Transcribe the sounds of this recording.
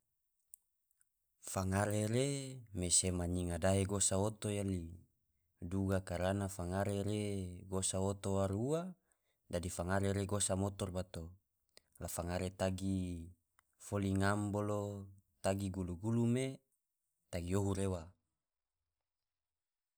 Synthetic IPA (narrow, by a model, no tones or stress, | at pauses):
faŋaɾeɾemesemaɲiŋadaɦeɡosaot̪ojali | duɡakaɾanafaŋaɾeɾeɡosaot̪oaɾua | dadifaŋaɾeɾeɡosamot̪ɔrbat̪o | lafaŋaɾet̪aɡi | foliŋambolot̪aɡiɡuluɡulume | t̪aɡioɦuɾewa